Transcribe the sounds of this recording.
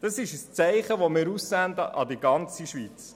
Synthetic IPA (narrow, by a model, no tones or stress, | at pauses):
d̥ɑsɪʃəst͡sɛɪχəʋomɪːɾussænd̪əʔɑd̪iɡɑnt͡siʃʋiːt͡s